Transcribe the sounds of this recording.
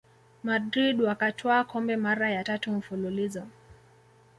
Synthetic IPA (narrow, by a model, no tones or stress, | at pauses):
madɾiɗwakatʰwakɔmbɛmaɾajatatum̩fululizɔ